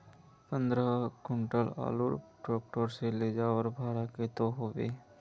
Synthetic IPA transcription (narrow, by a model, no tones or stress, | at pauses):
pə̃nd̪ɾəkʊɳʈəla̰ːluɾʈɾoːk̚ʈəɾseleːd͡ʒaːwəɾbʱaːɾaket̪oɦoːʋḛː